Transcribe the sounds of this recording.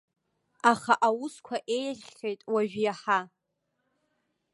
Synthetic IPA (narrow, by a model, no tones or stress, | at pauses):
aχaʔawʊskʷʰaʔejχʲχʲejtʼwaʒᶣjaħa